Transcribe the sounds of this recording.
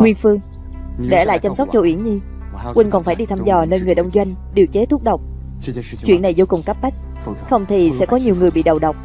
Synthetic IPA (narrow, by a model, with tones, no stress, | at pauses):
ŋwi˧ənfɨ˧əŋ | ɗḛ˧˩la̰ː˧˨jt͡ɕa˧msa˦˥k͡p̚t͡ɕo˧˩ʔwi˧˩ənɲi˧ | kwï˧ŋ̟kɔ˨˩nfaː˧˩jɗi˧t̪ʰaː˧mzɔ˨˩neː˧nŋɨ˨˩əjɗə˧wŋ͡mzwa˧jŋ̟ɗi˨˩əwt͡ɕe˨˦t̪ʰu˦˥k̚ɗə˨˩wk͡p̚ | t͡ɕwḭ˧˨ənːa˨˩jzo˧wkʊ˨˩ŋ͡mka˦˥p̚ɓa˦˥jk̟̚ | xə˧wŋ͡mt̪ʰi˨˩sɛ̰˧˥kɔ˨˦ɲi˨˩əwŋɨ˨˩əjɓḭ˧˨ɗə˨˩wɗə˨˩wk͡p̚